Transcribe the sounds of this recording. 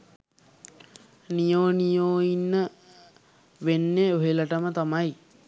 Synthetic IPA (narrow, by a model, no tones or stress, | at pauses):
nijoːnijoːinːə | ʋenːeoɦeləʈəmət̪amaj